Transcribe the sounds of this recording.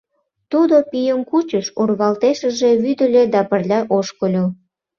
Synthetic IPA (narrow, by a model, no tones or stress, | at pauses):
t̪ud̪opijəmkut͡ɕəʃurβɑlt̪eʃəʒeβyd̪ə̆lʲed̪ɑpərlʲɑʔoʃkəlʲo